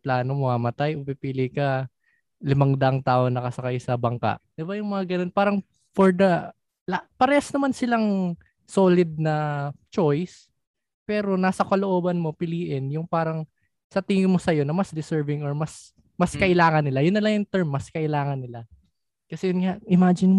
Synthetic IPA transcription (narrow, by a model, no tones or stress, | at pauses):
plaːnomɐŋamɐt̪ajʔʊpipiːlɪkɐ | lɪmaŋd̪ɐʔɐŋt̪aːʔo̞nɐkɐsɐkajsɐbɐŋka̰ʔd̪̥ɪbajʊŋmɐŋaɡɐno̞npaːɾɐŋ | foɹd̪ɐ | lapɐɾɛɐsnɐmansɪlaŋ | soːlɪd̪̚nɐt͡ʃo̞js | pɛːɾo̞naːsɐkɐloʔo̞ːbɐnmo̞pɪliːʔɪnjʊŋpaːɾɐŋ | sɐt̪ɪŋɪmo̞sɐjo̞nɐmɐsd̪ɪsɛɹvɪŋoɹmɐs | mɐskɐʔɪlaːŋɐnːɪlajʊnːɐlaŋjʊŋt̪ɛɹmːɐskɐʔɪlaːŋɐnːɪla | kɐsɛjʊnŋaʔʔɪmaːd͡ʒɪnm